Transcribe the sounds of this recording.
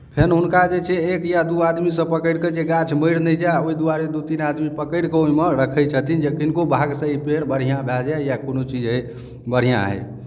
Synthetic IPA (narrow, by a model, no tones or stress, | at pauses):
pʰenɦunkad͡ʒet͡ʃʰeekjad̪uad̪misə̃pəkəɪɽked͡ʒeɡat͡ʃʰməjɽ̤nɛd͡ʒaoid̪uaɾed̪ut̪inad̪mipəkəɪɽkeoimeɾəkʰəjt͡ʃʰət̪ind͡ʒekinkobʱaɡsə̃ipeɽbəɽ̤ijãbʱɛld͡ʒajakonot͡ʃid͡ʒɦə | bəɽ̤ijã̰ɦɛ̰